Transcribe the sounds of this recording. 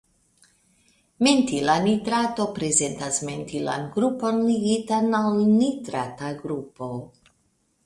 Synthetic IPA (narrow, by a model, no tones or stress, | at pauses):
mentilanitɾato̞pɾe̞ze̞ntasmentila̰nɡɾupo̞nliɡitanalnitɾataɡɾupo̞